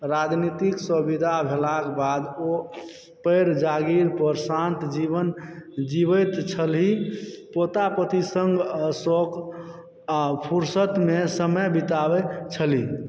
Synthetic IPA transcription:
ɾad͡ʒnit̪iksəbid̪ʱabʱelakbad̪o | pəjɾd͡ʒaɡiɾpəɾsãnt̪d͡ʒiβənd͡ʒibəjt̪t͡ʃʰəlɦipot̪apət̪isəŋɡəsok | apʰuɾsət̪mesəməjbit̪abɛt͡ʃʰəli

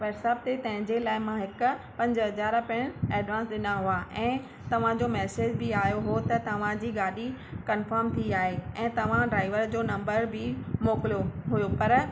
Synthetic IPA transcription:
ʋɛːɾsəb̚t̪et̪ɐ̃ɦɪ̃ɲd͡ʑelaːɪmãɦɪkʊ̆ | pɐ̃ɲd͡ʑɦɐd͡ʑaːɾpɪɽ̃ɛːɖʋãːnsɗɪnaɦuaʔɛ̃ː | t̪ɐʋ̤ãd͡ʑomɛːseːd͡ʑbɪaːjoɦot̪ɐt̪ɐʋ̤ãd͡ʑiːɡaːɗikɐnfəɾmt̪ʰiiaːɦeɛ̃ːt̪ɐʋ̤ãɖɾaːɪʋəɾd͡ʑoːnɐ̃mbəɾbɪmoːkɪlijoɦʊjopɐɾ

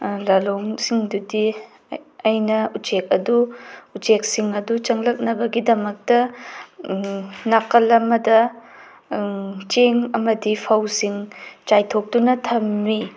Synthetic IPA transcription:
lɐloŋsiŋdudi | ɐjnɐut͡ʃek̚ɐduut͡ʃek̚siŋɐdut͡ʃɐŋlɐk̚nɐbɐɡidɐmɐk̚tɐ | nakɐlɐmːɐdɐ | t͡ʃeŋɐmɐdipʰɐwsiŋt͡ʃajtʰok̚dunɐtʰɐmːi

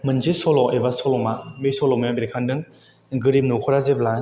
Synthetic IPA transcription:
mɯnzesɔlɔʔebasɔlɔmamesɔlɔmajabeɾkʰandɯŋ | ɡɯɾim̚nukʰɔɾazebla

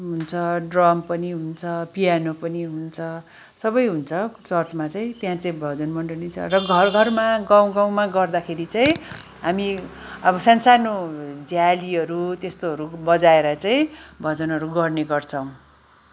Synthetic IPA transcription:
ɦunt͡sʰʌɖrʌmpʌniɦunt͡sʰʌpijanopʌniɦunt͡sʰʌ | sʌbʌjɦunt͡sʰʌt͡sʌrt͡smat͡saĩt̪jãt͡saĩbʱʌd͡zʌnmʌɳɖʌnit͡sʰʌ̰rʌɡʌɡʱʌrmaɡaw̃ɡaw̃maɡʌrd̪akʰeɾit͡saĩ | ɦamiʌbʌsansanod͡zjaliɦʌɾut̪est̪oɦʌɾubʌd͡zaeɾʌt͡saĩbʱʌd͡zʌnɦʌɾuɡʌrneɡʌrt͡sʰʌw̃

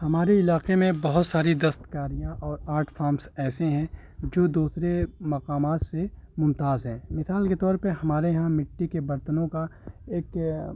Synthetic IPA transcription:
hɐmaːɾeɪlaːqemẽbɐɦʊt̪saːɾid̪ɐst̪kaːɾijãʔɔːɾaːɾʈʰfʰaːɾmsɛːseɦɛ̃ | d͡ʒoːd̪uːsɾemɐqaːmaːt̪semʊ̃nt̪aːzɦɛ̃ːmɪsaːlket̪ɔːɾpɐɾɦɐmaːɾejɦãmɪʈːikebɐɾt̪ənõkaeːk

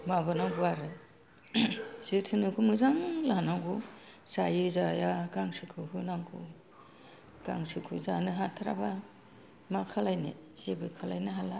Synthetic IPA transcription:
mabɯnaɡuaɾɯ | zɯtʰɯnɯkʰumɯzaŋlanaŋɡu | sajɯzajaɡaŋsɯkʰɯɦɯnaŋɡu | ɡ̥a̰ŋsɯkʰɯzanɯɦatʰaɾa̰ba | makʰalajnḛz̥ebɯkʰalajnɯɦala

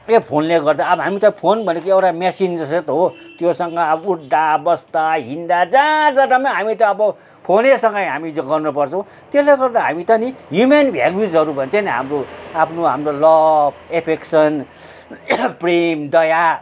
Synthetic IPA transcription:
epʰonleɡʌrd̪aʌbʌɦamit̪ʌpʰonbʱʌnekiewʈamjasind͡zʌset̪ɦot̪josʌŋɡʌuʈd̪abʌst̪aɦind̪ad͡zãd͡zʌd̪ʌmãɦamit̪ʌʌbʌ | pʰonesʌŋɡʌjɦamiɡʌrnupʌrt͡sʰʌ̃w̃ | t̪esleɡʌrd̪aɦa̰mit̪ʌnijumenbʱja̰ljud͡zɦʌɾubʱʌnt͡sʰʌniɦa̰mroapʰnoɦa̰mrolʌbepʰeksʌn | premd̪ʌja

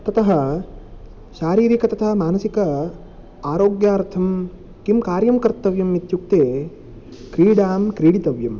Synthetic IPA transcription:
t̪ɐt̪ɐɦɐ̆ | ʃaːɾiːɾikɐt̪ɐt̪ʰɐɦɐmaːnɐsikɐ | aːɾoːɡjaːɾt̪ʰɐm | kimkaːɾjɐmkɐɾt̪ːɐʋjɐmːit̪juk̚t̪eː | kɾiːɽaːmkɾiːɽit̪ɐʋjɐm

